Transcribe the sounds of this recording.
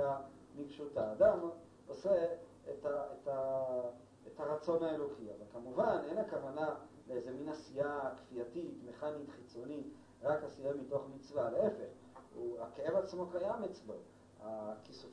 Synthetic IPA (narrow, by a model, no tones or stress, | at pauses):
a | niɡʃutaːd̪am | bose | etaeta | ethaʁat͡so̞naelo̞kia̰valkamuvane̞nakavana | leezeminasiakfiatitme̞χanit̪χit͡so̞nit | ʁakhasiamito̞χmit͡svaleefeχ | uakeevat͡smo̞kajamet͡sbo | akisu